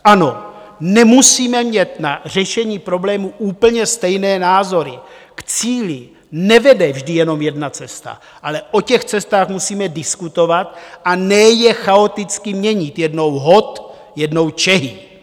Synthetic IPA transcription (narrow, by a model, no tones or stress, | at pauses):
ʔano̞ | nɛmusiːmɛmɲɛt̪nar̝ɛʃɛɲiːpɾo̞blɛːmuʔuːpl̩ɲɛst̪ɛjnɛːnaːzo̞ɾɪ̰kt͡siːlɪ | nɛvɛdɛvʒdɪjɛnomjɛdnat͡sɛst̪a̰ | ʔalɛʔo̞cɛxt͡sɛst̪aːxmusiːmɛdɪskut̪o̞vat̪ʔanɛjɛxao̞t̪ɪt͡skɪmɲɛɲɪt̪jɛdno̞wɦo̞t̪ | jɛdno̞wt͡ʃɛɦɪ